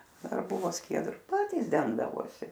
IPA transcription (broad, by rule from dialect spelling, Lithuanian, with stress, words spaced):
ˈdɐr ˈbʊʋoː ˈsʲkʲiɛdrʊ ˈpɑːtʲiːs ˈdʲɛŋɡdɐʋoːsʲɪ